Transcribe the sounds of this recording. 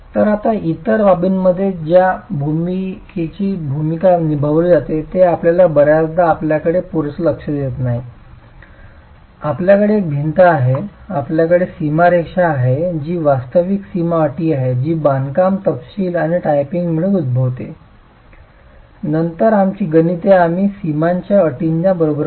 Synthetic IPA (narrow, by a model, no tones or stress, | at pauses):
t̪əɾat̪ait̪əɾʋabiːnməd̪ʱːjed͡ʑjabʱumiket͡ɕiːbʱumikanibʱəʋulid͡zat̪et̪eapljalabəɾjasd̪aːpljakəɽepuɾsələkʂəd̪et̪naɦi | apljakəɽeːk̚bʱint̪əaɦeapljakəɽesimaɾekʂaːɦed͡ʑiːʋast̪əʋiksimaəʈiːaɦed͡ʑiːbankamt̪əpɕiːlaɽ̃iʈajpiŋɡm̤əɭeud̪̚bʱəʋt̪e | nənt̪əɾamt͡ɕiːɡənit̪eam̤iːsimaɲt͡ɕjaəʈiɲd͡ʑjabəɾobəɾ